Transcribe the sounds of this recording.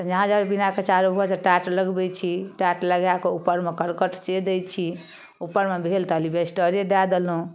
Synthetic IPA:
t̪d͡ʒəɦãd͡ʒəebinaket͡ʃaɾubʱɔseʈaʈləɡbɛt͡ʃʰiʈaʈləɡjakeupːəɾmekəɾkəʈt͡ʃed̪ɛjt͡ʃʰi | upːəɾmebʱelt̪əlibesʈəɾed̪ad̪elɦũ

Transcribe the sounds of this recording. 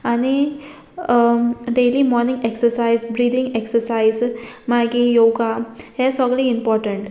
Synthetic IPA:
añi | ɖelimɔɾnĩŋɡeksəɾsaizbɾiːd̪ĩŋɡeksəɾsaizmaɡijoɡahɛsɔɡliimpɔɾʈəɳʈ

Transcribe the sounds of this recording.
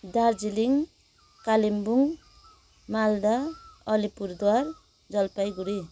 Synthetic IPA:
d̪aɾd͡ziliŋ | kalimbuŋ | mald̪aʌlipuɾd̪waɾ | d͡zʌlpajɡuɾi

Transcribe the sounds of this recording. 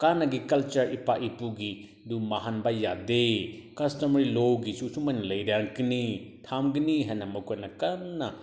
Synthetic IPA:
kanːɐɡikɐlt͡ʃɐɾipaʔipuɡi | dumaɦanbajadekɐstɐmɐɾilowɡit͡ʃut͡ʃumɐnilɐjɾaŋkinitʰamɡiniɦanːɐmɐkʰɐnɐkanːɐ

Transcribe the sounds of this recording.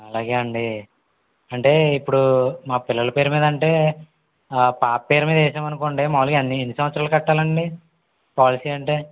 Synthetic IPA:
ɐlaːɡeːɐɳɖi | ɐɳʈe̞ːipːuɽumaːpilːɐlɐpeːɾumiːd̪ɐɳʈe̞ː | paːppːeːɾumiːd̪eːsɐːmɐnukoːɳɖeːmaːʋulɐkɐnːienːisɐʋɐt̪sɾaːlukɐʈːaːlɐɳɖi | paːlisiːɐɳʈe̞ː

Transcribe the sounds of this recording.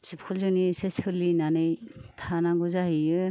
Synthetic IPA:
sipʰkʰulzɯniseskʰɯlinanɯjtʰanaɡuzaɦijɯ

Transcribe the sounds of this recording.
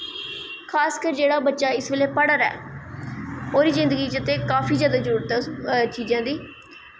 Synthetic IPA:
kʰaːskəɾd͡ʒeːɽaːbətːʃaːɪsʋeːleːpəɽəɾɛ̰ː | oːɾiːzɪ̃nd̪əɡiːt͡ʃət̪eːkaːfiːzjaːd̪aːd͡ʒəɾuːɽt̪t͡ʃʰiːd͡ʒãːd̪iː

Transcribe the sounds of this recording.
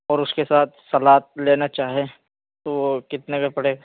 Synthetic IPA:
ɔːɾʊskesaːt̪̚ʰsɐlaːt̪̚leːnat͡ʃaːɦie | t̪oʋokɪt̪nekapɐɽeːɡ

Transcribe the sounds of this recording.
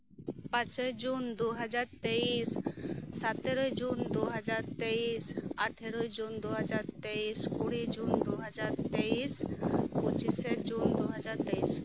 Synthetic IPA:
pãt͡ʃɔd͡ʒund̪uɦad͡ʒaɾt̪eisː | at̪eɾɔjd͡ʒund̪uɦad͡ʒaɾt̪eisaʈʰeɾɔjd͡ʒund̪uɦad͡ʒaɾt̪eiskuɽid͡ʒund̪uɦad͡ʒaɾt̪eisput͡ʃised͡ʒund̪uɦad͡ʒaɾt̪eis

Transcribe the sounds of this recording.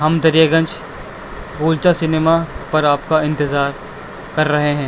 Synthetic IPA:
ɦɐmd̪ɐɾijaɡə̃nt͡ʃ | ɡuːlt͡ʃasɪneːmapɐɾaːpkaɪ̃nt̪ɪzaːɾ | kɐɾːɐɦeɦɛ̃ː

